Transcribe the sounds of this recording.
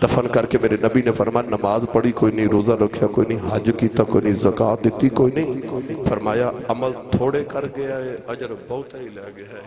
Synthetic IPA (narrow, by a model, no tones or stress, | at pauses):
t̪ɐfənkɐɾkemeːɾenɐbinefʰɐɾmaːjanɐmaːzpɐɽikoːinɐĩɾoːzaɾɐkʰijakoːinɐɦĩɦɐd͡ʒkiːt̪akoːinɐĩzɐkaːt̪̚d̪ɪt̪ikoːinɐɦĩfʰɐɾmaːjaɐməlt̪ʰoːɽekɐɾɡɐjaːɦeɐd͡ʒəɾbɐʊt̪ɐilɐːɡɐjae